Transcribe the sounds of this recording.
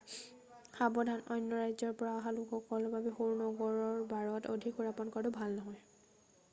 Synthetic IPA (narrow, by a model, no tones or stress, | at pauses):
xabɔdʱanɔjnːɔɹajzɔɹpɔɹaɔɦalukɔkɔlɔbʱabɛxoɹnɔɡɔɹɔɹbaɹɔto̰dʱikuɹapɔnkɔɹtʊbʱalnɔɦɔj